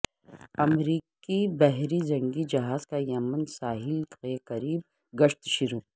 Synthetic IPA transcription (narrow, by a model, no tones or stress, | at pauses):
ɐmɾiːkibɛɦɾid͡ʒɐ̃ŋɡid͡ʒɐɦaːzkajɐmənsaːɦɪlqeːkɐɾiːb̚ | ɡɐʃt̪ʃɪɾuː